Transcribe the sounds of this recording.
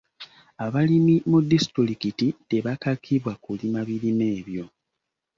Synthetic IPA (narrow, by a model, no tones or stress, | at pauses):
aβalimimudːistɾilikitite̞βakakʰiβwakulimaβiɾine̞ːβjo̞